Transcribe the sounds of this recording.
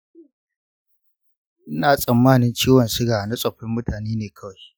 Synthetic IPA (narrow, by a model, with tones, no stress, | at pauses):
ʔɪ˦naː˨sʼɐ˨mːaː˦nɪ˦nt͡ʃiː˦wɐ˨nsɪ˦ɡaː˨na˦sʼɐ˨ɸɪ˦mːʊ˦tʰaː˨neː˦neː˨kʰɐ˦wa˨j